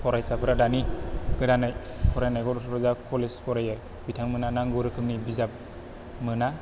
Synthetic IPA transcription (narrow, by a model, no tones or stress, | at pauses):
pʰɔɾajsapʰɯɾadaniɡ̥ɯdanaj | pʰɔɾajnajɡɔɾtʰpɾɯzakʰolespʰɔɾaja | bitʰaŋmɯnanaŋɡɯɾɯkʰɯmnibizap̚ | mɯna